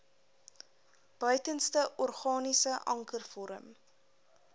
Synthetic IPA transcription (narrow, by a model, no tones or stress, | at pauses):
b̥œɥtənstəʔɔrχɑːnisəʔɐ̰ŋkərfɔɾə̰m